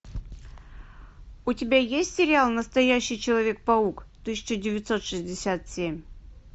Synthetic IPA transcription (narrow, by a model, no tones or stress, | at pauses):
ʊtʲɪbʲajesʲtʲsʲɪɾʲɪalˠnəst̪ɐjæɕːɪjt͡ɕɪlˠɐvʲe̞k̚pɐukt̪ɨsʲɪ̥t͡ɕədʲɪvʲɪt̪so̞t̪ʂɨzʲdʲɪsʲat̪sʲemʲ